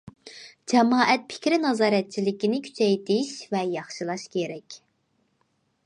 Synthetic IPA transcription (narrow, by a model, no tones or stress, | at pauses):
d͡ʒɛmɑːʔɛt̪̚pʰɪ̥kʲɾɪnɑzɑːɾɛt̪̚t͡ʃʰilɪkʲinɪkʲʰy̥t͡ʃʰɛjt̪ʰɪʃvɛjɑχʃɨlˠɑʃkʲʰeɾɛkʲ